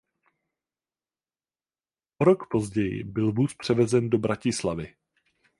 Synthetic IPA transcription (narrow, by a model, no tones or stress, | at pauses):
ʔoɾo̞kpo̞zɟɛjɪ̰bɪlvuːspr̝̥ɛvɛzɛndo̞bɾacɪslavɪ